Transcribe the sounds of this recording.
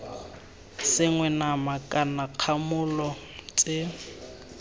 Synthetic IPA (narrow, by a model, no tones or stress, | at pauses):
sɪŋwɛnamakʼanaq͡χʰamʊlɔ | t͡sʼɪ